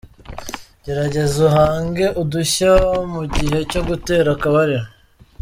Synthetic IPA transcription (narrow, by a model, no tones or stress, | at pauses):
ɟ̥e̞ɾaɟe̞zuɦaːŋɡe̞ʔuduçamuɟiɦe̞co̞ɡute̞ːɾakaβaɾeɾa